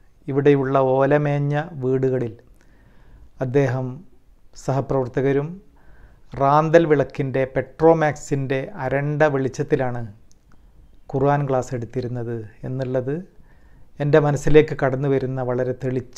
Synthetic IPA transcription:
iʋiɽe̞juɭːɐo̞ːlɐme̞ːɲːɐʋiːɽuɣɐɭil | ɐd̪ːe̞ːɦɐm | sɐɦɐprɐʋɐrt̪ɐɣɐɾum | raːnd̪ɐlʋiɭɐkːinde̞pe̞ʈro̞ːmaːksinde̞ɐɾɐɳɖɐʋiɭit͡ɕːɐt̪ːilaːɳɨ | kuruʋaːnkɭaːse̞ɽut̪ːiɾunːɐðɨe̞nːiɭːɐðɨ | e̞nde̞mɐnɐsːile̞ːkːɨkɐɽɐnːuʋɐɾunːɐʋɐɭɐɾe̞t̪eɭit͡ɕː

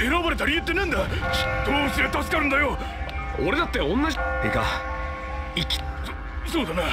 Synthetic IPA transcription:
eɾabaɾe̞t̪aɾʲijɯt̪ːenẽnd̪aɕi̥t̪oːsiɾet̪asɨ̥kaɾɯ̃nd̪ajo | oɾe̞d̪at̪ːeõnːaʑiika̰ | ikʲi̥ | so̞ːd̪ane

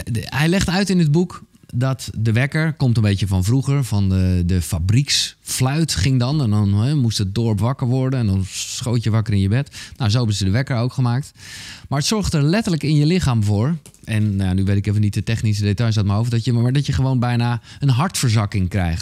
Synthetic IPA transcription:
hɛjlɛxtœɥtɪnəd̚bukdɔtdəʋɛkəɹkomtənbejtəfɔnvruɣəɹfɔnədəfabriksflœɥtχɪŋdɔnɛndɔnɛmustət̚dɔɹpʋɑkəɹʋɔɹdənɛndɔnsχoːtjəʋakərɪnjəbɛtnawzoɛbənsədəʋɛkəɹowkχəmaːk̚tmaɹətsɔɹxtəɹlɛtələkɪnjəlɪxaːmvoːɹ | ɛnnjanyʋetɪkeːvənitətɛχnis̬ədetɔjs̬at̚maɹowvədɔtjəaɹdɔtjəχəʋoːnbɛjna | ənɦɑɹtfəɹzɑkɪŋkrɛ̰jxt

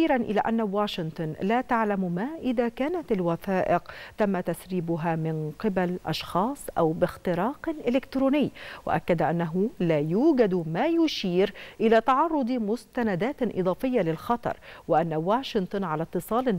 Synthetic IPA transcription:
iːɾanʔɪla̰ːʔanːawaːʃɪnt̪ˤʊnlaːt̪aʕlammaːʔɪðakaːnat̪ɪlwaθaːʔɪqt̪amːat̪asɾiːbʊɦamɪnqɪbalʔɑ̰ʃxɑːsˤʔa̰wbɪxt̪ɪɾɑːqlʔɪlɪkt̪ɾuːnɪjːwɪ̰ʔa̰kːad̪aʔanːaɦʊlaːjuːɡad̪maːjʊʃiːɾʔɪlat̪ɑʕɑrˤːʊd̪ˤmʊst̪anad̪aːt̪ʔɨ̰d̪ˤɑːfɪjːalɪlxɑt̪ˤɑ̰ɾˤwɪʔanːawaːʃɪnt̪ˤɨnʕalat̪ːɨsˤɑːlɪ

